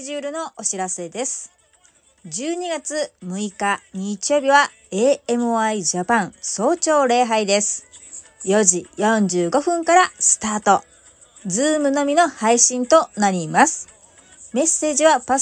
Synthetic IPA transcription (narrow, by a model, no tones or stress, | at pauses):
ʑɨːɾɯ̟no̞ʔoɕiɾase̞d̪e̞sɨ̥ | d͡ʑɨːɲ̟iɡat͡sɨmɯ̟ikaɲ̟iːt͡ɕijo̞ːbʲiβa | e̞ːe̞mɯoaiʑapãŋ̃so̞ːt͡ɕo̞ːɾe̞ːɦaid̪e̞sɨ̥ | jo̞ʑijõ̞ɲ̟d͡ʑɨːɡo̞ɸɯ̟̃ŋkaɾasɨ̥t̪aːt̪o̞ | d͡zɨːmɯ̟no̞mʲino̞haiɕĩnt̪o̞naɾʲimasɨ̥ | me̞se̞ːʑiβapa